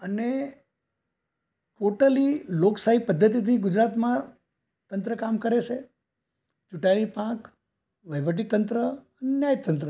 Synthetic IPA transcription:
əne | ʈoʈəliloksaɦipəd̪ʱːət̪̬it̪iɡʊd͡ʒɾat̪mã | t̪ənt̪ɾəkamkəɾet͡ʃʰe | d͡ʒuʈalipãk | ʋəjʋəʈ̬it̪ənt̪ɾəənenjajt̪ənt̪ɾə

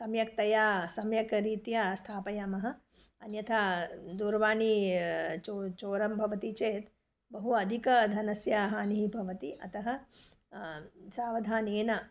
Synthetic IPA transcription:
sɐmjɐk̚t̪ɐjaːsɐmjɐkɾiːt̪jaːst̪ʰaːpɐjaːmɐɦɐ̆ | ɐnjɐt̪ʰaːd̪uːɾʋaːɳi | t͡ʃot͡ʃoːɾɐmbʱɐʋɐt̪it͡ʃeːt̪ | bɐɦuɐd̪ʱikɐd̪ʱɐnɐsjaːɦɐːniɦibʱɐʋɐt̪iɐ̰t̪ɐɦɐ̆ | saːʋɐd̪ʱaːneːnɐ

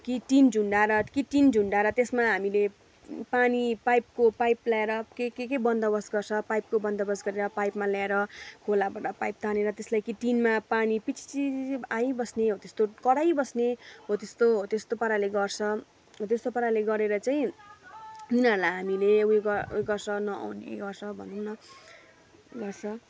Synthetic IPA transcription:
kiʈind͡zʱuɳɖaɾʌkiʈind͡zʱuɳɖaɾʌt̪esmaɦamile | panipajp̚kopajplaeɾʌkekek̬ebʌnd̪ʌbʌsɡʌrt͡sʰʌpajp̚kobʌnd̪ʌbʌsɡʌɾeɾʌpajpmaljaeɾʌkʰolabaʈʌpajp̚t̪ʰaneɾʌt̪eslajkiʈinmapanipit͡sʰi̥t͡siajbʌsneɦot̪est̪okʌɽajbʌsneɦot̪est̪oɦot̪est̪opʌɾaleɡʌrt͡sʰʌ | ɦot̪est̪opʌɾaleɡʌɾeɾʌt͡saĩ | junʌrlajɦamileuɡʌujɡʌrsʰʌnʌa̰wnḛɡʌrsʰʌbʱʌ̰nd̪unnʌ | ɡʌrt͡sʰʌ

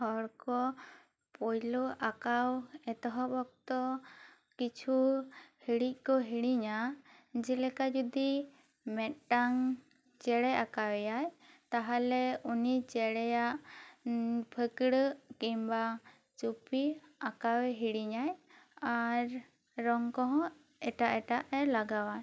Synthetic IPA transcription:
hɔɽkɔ | pɔjlɔʔakawɛt̪ɔɦɔbɔk̚t̪ɔ | kit͡ʃʰuhiɽic̚ˀkɔɦiɽiɲad͡ʒɛlɛkad͡ʒud̪i | mɛt̪̚ʈaŋ | t͡ʃɛɽɛakawɛjajt̪aɦalɛunit͡ʃɛɽɛjaʔ | pʰəkɽəkimba | t͡ʃupiakawɛɦiɽiɲajaɾ | ɾɔŋkɔɦɔ̃ | ɛʈaʔɛʈaʔɛlaɡawa

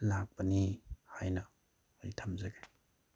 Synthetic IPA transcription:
lak̚pɐnihajnɐː | jitʰamzɐɡe

